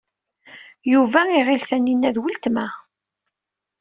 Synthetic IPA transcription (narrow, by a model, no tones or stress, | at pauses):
juvæiʁilθænːinːæðwəlt̪mæ